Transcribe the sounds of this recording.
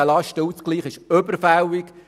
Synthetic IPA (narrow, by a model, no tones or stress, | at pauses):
əlɑʃtəut͡skliːχɪʃøbəɾfæwik